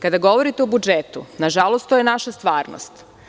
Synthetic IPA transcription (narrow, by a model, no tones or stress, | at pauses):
kad̪aɡo̞ʋoɾit̪eobud͡ʒet̪ṵnaʒalˠost̪ojenaʃast̪ʋaːɾno̰st̪